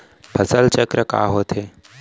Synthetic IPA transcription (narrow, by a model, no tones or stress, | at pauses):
pʰəsəlt͡ʃəkɾəka̰ːɦoːt̪ʰeː